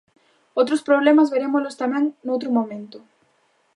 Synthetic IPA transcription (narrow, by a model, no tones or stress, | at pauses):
owt̪ɾʊspɾoβlemɐzβeɾemʊlʊst̪amɛ̃ŋnowt̪ɾʊmõmẽnt̪ʊ